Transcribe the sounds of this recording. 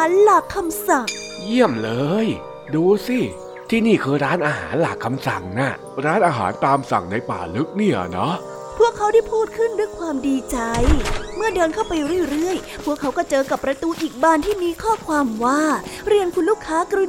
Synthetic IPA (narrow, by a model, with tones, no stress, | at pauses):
aː˩˦nla˨˩kʰːa˧msa˨˩ŋ | ji˥˩əmlɤː˧j | duː˧si˧˥˩ | t̪ʰiː˥˩niː˥˩kʰɯː˧ɾaː˦˥nʔaː˧ɦa̰ː˩˦nla˨˩kʰːa˧msa˨˩ŋna˦˥˩ | ɾaː˦˥nʔaː˧ɦa̰ː˩˦nt̪aː˧msa̰˨˩ŋna˧jpa̰ː˨˩lɯ˦˥k̚ni˥˩ɐnɔ˦˥ | pʰu˥˩əkʰːa˦˥wda˥˩jpʰuː˥˩t̪̚kʰɯ˥˩ndu˥˩əjkʰwaː˧mdiː˧t͡ɕa˧jmɯ˥˩ɐdɤː˧nkʰa˥˩wpa˧jɾi˥˩ɾɯ˥˩əj | pʰu˥˩əkʰːa˦˥wkɔː˥˩t͡ɕɤː˧ka˨˩pːɾa˧t̪uː˧ʔiː˨˩k̚baː˥˩nt̪ʰiː˥˩miː˧kʰɔː˥˩kʰwaː˧mwaː˥˩ɾi˧ənkʰu˧nluː˥˩kʰːaː˦˥kɾu˧˦˥